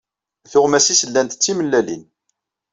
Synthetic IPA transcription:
θʊʁmæsisəlːænt̪t͡sːiməlːælḭn

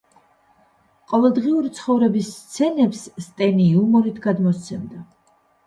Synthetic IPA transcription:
qʼɔvɛlˠd̪ʁiuɾit̪sʰχɔvɾɛbisːt̪sʰɛnɛpsːt̪ʼɛniumɔɾit̪ʰɡad̪mɔst̪sʰɛmd̪a

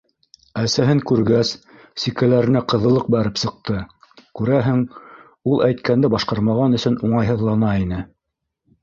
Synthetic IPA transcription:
æsæɦɘŋkʉɾɡæsː | ikælæɾɘ̆næqɤ̆ðɤ̆lˠɤq̚bæɾɘpsɤ̆q̚t̪ɤ | kʉɾæɦɘŋ | ulˠʔæjt̪kænd̪ɘbɑʃqɑɾmɑʁɑnɵ̆sɵnuɴɑjɦɤ̆ðlˠɑnɑinɘ

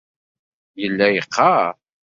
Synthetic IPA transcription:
jəlːæjəqːɑ

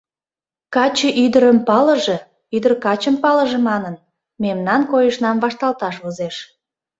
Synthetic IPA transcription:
kɑt͡ɕəʔyd̪əɾəmpɑlə̆ʒe | yd̪ərkɑt͡ɕəmpɑləʒĕmɑnən | memnɑnkojəʃnɑmβɑʃt̪ɑlt̪ɑʃuzeʃ

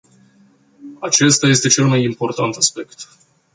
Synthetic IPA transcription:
at͡ʃe̞st̪aje̞st̪e̞t͡ʃe̞lmajimpo̞rt̪ant̪aspe̞kt̪

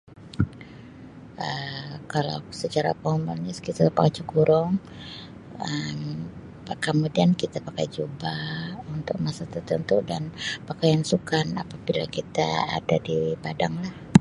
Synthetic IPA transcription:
ʔəkala̰wsət͡ʃaɾa̰pəŋumbalɲaskit̪apakajt͡ʃəkuɾʊŋ | əm | kəmudiankit̪apakajd͡ʒubaunt̪ʊk̚masat̪ərt̪ənt̪udanpakajansukanapabila̰kit̪a̰a̰dadipadaŋlah

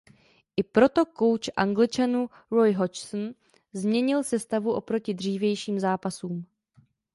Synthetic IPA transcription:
ʔɪpɾo̞t̪o̞ko̞wt͡ʃʔa̰ŋɡlɪt͡ʃanu | ɾojɦot͡ʃsn̩ | zmɲɛɲɪlsɛst̪avuʔo̞pɾo̞cɪdr̝iːvjɛjʃiːmzaːpasuːm

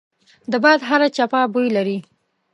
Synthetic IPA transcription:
d̪əbɑd̪ɦaɾat͡ʃapabujlaɾi

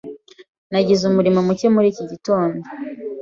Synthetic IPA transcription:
naɟizumuɾimomucemuɾiːciɟito̞ːndo

